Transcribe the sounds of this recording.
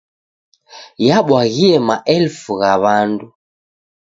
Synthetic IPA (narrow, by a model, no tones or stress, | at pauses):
jaɓwaɣiɛmaʔɛlfuɣaβandu